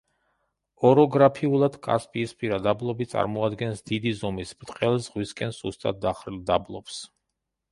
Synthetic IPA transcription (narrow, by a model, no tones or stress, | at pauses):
ɔɾɔɡɾapʰiulˠad̪̥kʼa̰spʼiːspʰʼiɾad̪ablˠɔbit̪sʼa̰ɾmɔad̪ɡɛnsd̪id̪izɔmisbɾt̪ʼqʼɛlˠzʁwiskʼɛnsust̪ʼa̰t̪̚d̪aχɾilˠd̪ablˠɔps